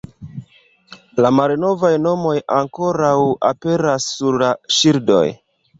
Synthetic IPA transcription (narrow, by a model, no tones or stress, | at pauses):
lamalno̞vajno̞mo̞jaŋko̞ɾawa̰pe̞ɾasːuɾlaʃiɾdo̞̰j